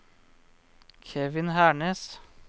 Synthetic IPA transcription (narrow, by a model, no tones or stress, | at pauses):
kʰɛːʋɪnhæːɳeːs